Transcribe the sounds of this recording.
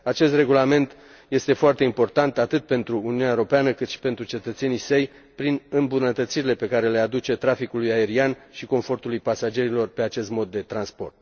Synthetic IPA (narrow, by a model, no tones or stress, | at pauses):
at͡ʃe̞st̪re̞ɡulame̞nt̪ | je̞st̪e̞foart̪e̞impo̞rt̪ant̪at̪ɨt̪̚pe̞nt̪ɾuːniuneaeoɾo̞peanəkɨt̪ʃi̥pe̞nt̪ɾut͡ʃe̞t̪ət̪se̞nisəj | pɾinɨmbunət̪ət̪siɾile̞pe̞kaɾe̞le̞ad̪ut͡ʃe̞t̪ɾafikulujae̞ɾianʃiko̞ɱfo̞rt̪ulujpasad͡ʒe̞ɾilo̞rpe̞at͡ʃe̞st̪mo̞d̪ːe̞t̪ɾanspo̞̰rt̪̚